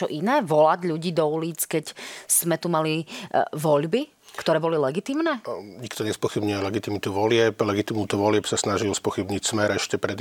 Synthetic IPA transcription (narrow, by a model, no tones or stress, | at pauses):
ɔʔinɛːʋɔlaɟʎuɟiːd̪ɔuliːt͡skɛcsz̥mɛt̪umaliʋɔʎbi | kt̪ɔɾɛːbɔlilɛɡit̪iːmnɛːɲikt̪ɔɲɛspɔxibɲujɛlɛɡit̪imit̪uʋɔlɪɛplɛɡit̪imnuːt̪uʋɔlɪɛpsasnaʒilspɔxibɲicsmɛɾɛʃcɛpɾɛd̪